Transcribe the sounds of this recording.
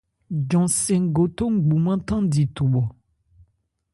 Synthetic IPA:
d͡ʒɔ̃˨sɛ̃˨ŋ˦ɡo˨t̪o˦ŋ̩˦ɡ͡bu˨mã˦t̪ã˦di˨t̪u˨ɓɔ˨

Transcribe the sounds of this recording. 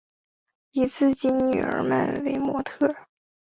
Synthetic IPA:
i˧˥t͡sʰɹ̩˥˩t͡ɕi˥nny̰˨˩ə̰˞˧˥mə̰˥˩nwe˧˥ɪmwɔ˧˥t̪ʰɤ˥˩

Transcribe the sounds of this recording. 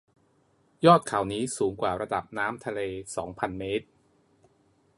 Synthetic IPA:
jɔː˥˩t̪̚kʰaː˩˦wniː˦˥suː˩˦ŋkwaː˨˩ɾa˧da˨˩p̚naː˦˥mt̪ʰa˧leː˧sɔː˩˦ŋpʰa˧nmeː˦˥t̪̚

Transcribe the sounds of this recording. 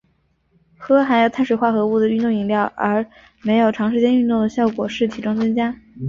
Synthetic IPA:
xɤ˥xa˧˥ɪjo˨˩ʊt̪ʰa˥˩nʂwe˨˩ɪxwa˥˩xɤ˧˥u˥˩d̪ə˩y˥˧nt̪ʊ˥˩ŋi˧˥ŋljɑ˥˩ʊʔə˞˧˥ | me˧˥ɪjo˨˩ʊʈ͡ʂʰɑ˧˥ŋʂɻ̩˥t͡ɕjɛ˥ny˥˧nt̪ʊ˥˩ŋd̪ə˩ɕjɑ˥˩ʊkwɔ˨˩ʂɻ̩˥˩t̪ʰi˧˥ʈ͡ʂʊ˥ŋt͡sɤ˥ŋt͡ɕja˥

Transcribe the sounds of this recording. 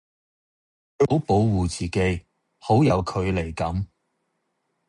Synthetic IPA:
kɵ˨˧o˨˥wpo˨˥wwuː˨t͡siː˨ke˨˥j | ho˨˥wjɐ˨˧wkʰɵ˨˧ɥle˨˩jkɐ˨˥m

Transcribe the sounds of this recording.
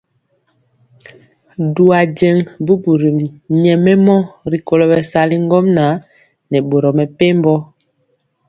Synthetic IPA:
du˨a˨d͡ʒɛ˨ŋbu˦bu˨ɾi˨mɲɛ˨mɛ˦mɔ˦ɾi˨ko˨lɔ˦bɛ˨sa˦li˦ŋ˦ɡɔ˦mna˨˦ | nɛ˨bo˨ɾɔ˨mɛ˨pe˦m˦bɔ˦

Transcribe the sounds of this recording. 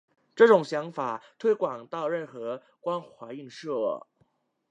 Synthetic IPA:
ʈ͡ʂɤ˥˩ʈ͡ʂʊ˨˩ŋɕjɑ˧˥ŋfa˨˩t̪ʰwe˥ɪkwɑ˨˩ŋt̪ɑ˥˧ʊɻə˥˩nxɤ˧˥ | kwa˥nxwa˧˥ɪi˥˧ŋʂɤ˥˩

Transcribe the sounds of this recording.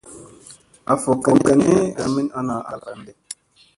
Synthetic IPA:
a˨fo˨kə˨kɛ˨ne˦a˨mi˦na˦na˨ʔa̰˨ka˨nde˦

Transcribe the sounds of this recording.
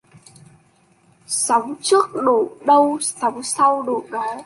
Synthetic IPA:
sa˨˦wŋ͡mt͡ɕɨ˦˥ək̚ɗo˧˩ɗə˧wsa˨˦wŋ͡msa˧wɗo̰˧˩ɗɔ˨˦

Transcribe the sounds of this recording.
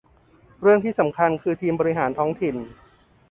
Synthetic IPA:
ɾɯ˥˩əŋt̪ʰiː˥˩sa˩˦mkʰa˧nkʰɯː˧t̪ʰiː˧mbɔː˧ɾi˦˥ɦaː˩˦nt̪ʰɔː˦˥ŋt̪ʰi˨˩n

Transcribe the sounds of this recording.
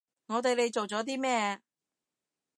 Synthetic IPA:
ŋɔː˨˧t̪̬e˨jle˨˧jt͡so˨wt͡sɔː˨˥t̪̬iː˥mɛː˥˩

